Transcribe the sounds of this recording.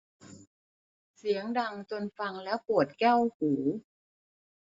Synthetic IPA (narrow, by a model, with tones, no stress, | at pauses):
si˨˩˦əŋda˧ŋt͡ɕo˧nfa˧ŋlɛː˦˥wpu˨˩ə˩t̪̚kɛː˥˩whuː˩˦